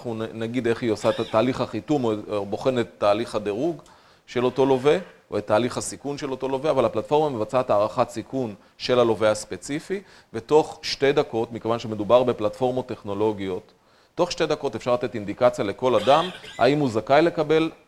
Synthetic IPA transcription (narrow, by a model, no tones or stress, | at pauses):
χnunaɡid̪e̞χiosaataːliχaχitumoboχe̞net̪ːaːliχhadeʁuɡ | ʃe̞lo̞to̞lo̞ve̞ʔoet̪ːaːliχasikunʃe̞lo̞to̞lo̞veavalhaplatfo̞ʁmame̞vat͡saet̪aːʁaχatsikun | ʃe̞lalo̞veaspe̞t͡sifi | ve̞to̞χʃte̞jd̪ako̞tmikevanʃeme̞d̪ubaʁbe̞platfo̞ʁmo̞t̪ːe̞χno̞lo̞ɡijo̞tː | o̞χʃte̞jdako̞te̞fʃaʁlat̪e̞tind̪ikat͡sjale̞ko̞ladamha̰imuzakajle̞kabe̞l